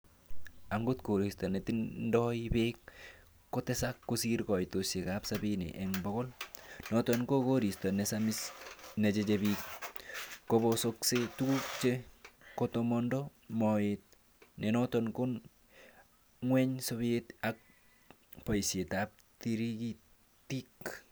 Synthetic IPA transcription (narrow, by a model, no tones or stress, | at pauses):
aŋɡotkoɾistɔnetinndɔipekː | otesakːosiɾkɔjtosjekapsabinḭʔɛŋboɣolnɔtonkokoɾistɔnesamisnet͡ʃet͡ʃebik | kobosoksetukuk̚t͡ʃekotomɔndɔmɔet̚ | nɛnɔtɔnkon | ŋwɛɲsoβetak̚ | pɔjsjetap̚tiɾiki | tik